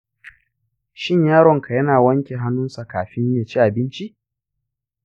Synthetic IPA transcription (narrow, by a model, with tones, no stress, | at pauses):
ʃɪ˦ɲjaː˦ɽɔ˨ŋkʰa˨jɐ˦naː˨wɐ˦ŋkʲe˨ɦa˦nːʊ˦nsa˨kaː˨ɸɪ˦ɲja˨t͡ʃi˦ʔa˨bɪ˦nt͡ʃi˦ʔ